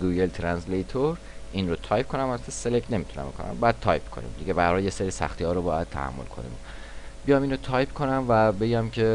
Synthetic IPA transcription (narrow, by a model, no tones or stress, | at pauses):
ɡujelt̪ʰɾænslejt̪ʰoɾ | inrot̪ʰɒːjpkʰonæmæt̪ʰeselekʰne̞mit̪ʰunæ̰mbkʰonæ̰mbɒjæd̪̚t̪ʰɒːjpkʰo̞̰nḭmd̪iɟe̞bæɾhɒljeseɾisæ̰xt̪ihɒːɾobɒːjæd̥̪̚t̪ʰæ̰hæ̰mːolkʰo̞̰nḭ | bijɒːmiːnɾot̪ʰɒːjpkʰonæmvæbe̞ɟæmcʰe̞